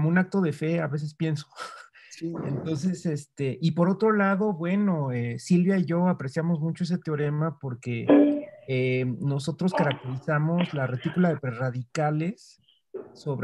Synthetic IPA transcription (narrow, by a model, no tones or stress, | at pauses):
komoũnak̚t̪o̞ð̞e̞fe̞aβe̞s̬e̞spje̞nso̥ | sient̪o̞ns̬e̞se̞st̪e̞ʔipo̞ɾo̞t̪ɾo̞laðo̞βwe̞no̞esilβjaiʝo̞apɾe̞sjamo̞zmut͡ʃoes̬et̪eo̞ɾe̞mapo̞ɾke̞ | emno̞so̞t̪ɾo̞skaɾak̚t̪e̞ɾisamo̞zlaret̪ikulaðe̞pɾeraðikale̞sː | o̞βɾ